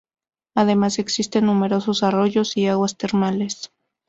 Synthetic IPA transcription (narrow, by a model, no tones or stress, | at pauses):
aðe̞mase̞ksist̪e̞nːume̞ɾo̞so̞saro̞ʝo̞siaɣwast̪e̞ɾmale̞s